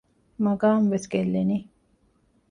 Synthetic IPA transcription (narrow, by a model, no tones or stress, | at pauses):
mɐɡaːmʋesɡelːeni